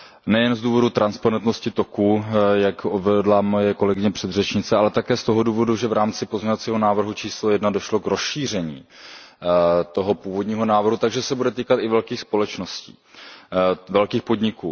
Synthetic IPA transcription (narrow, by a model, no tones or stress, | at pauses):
nɛjɛnzduːvo̞dut̪ɾʔanspaɾɛnt̪noscɪt̪o̞kujakʔovɛdlamojɛko̞lɛɡɪɲɛpr̥ɛd̪rɛt͡ʃɲɪt͡sɛʔalɛt̪akɛːst̪oɦoduːvo̞duʒɛvɾaːmt͡sɪpo̞zmɲɲovat͡siːɦonaːvr̩ɦut͡ʃiːslojɛdnado̞ʃlokɾo̞sʃiːr̝ɛɲḭː | t̪o̞ɦopuːvo̞dɲiːɦo̞naːvr̩ɦut̪aɡʒɛsɛbudɛt̪iːkat̪ɪvɛlkiːxspo̞lɛt͡ʃno̞scḭː | vɛlkiːxpo̞dɲɪkuː